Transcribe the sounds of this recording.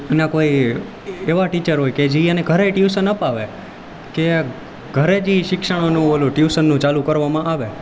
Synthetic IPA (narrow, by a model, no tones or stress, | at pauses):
nãkoi | eʋaʈit͡ʃəɾɦojked͡ʒiəneɡʱəɾeʈjusənəpaʋe | ke | ɡʱəɾed͡ʒiʃɪkʃəɽ̃onũoluʈjusənːũt͡ʃalukəɾʋamãʔaʋe